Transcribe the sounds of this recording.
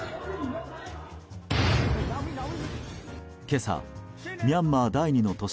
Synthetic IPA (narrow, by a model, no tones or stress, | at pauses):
ke̞sa̰ | mʲiamːad̪aiɲ̟ino̞t̪o̞ɕ